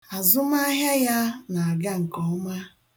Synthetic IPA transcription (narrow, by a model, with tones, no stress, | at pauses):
a˨zʊ˦ma˦ɦja˦ja˦na˨a˨ɡa˦ŋ̩˨kɔ˨ɔ˦ma˦